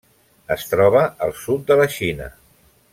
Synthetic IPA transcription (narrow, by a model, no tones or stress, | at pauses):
əst̪ɾɔβəəlˠsut̪̚d̪ələʃinə̰